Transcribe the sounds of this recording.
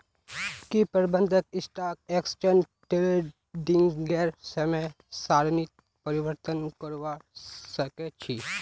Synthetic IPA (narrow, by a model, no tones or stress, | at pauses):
kipəɾbə̃nd̪ʱəkɪsʈaːk̚eksʈeɳ | ʈele | ɖiŋɡɡɛɾsəme | saːɾnit̪̚ | pəɾiʋəɾt̪ənkəɾʋasəket͡ʃʰi